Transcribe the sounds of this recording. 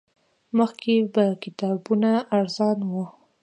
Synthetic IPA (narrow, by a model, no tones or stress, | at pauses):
məxkebakɪt̪ɑbunaːɾzɑnwu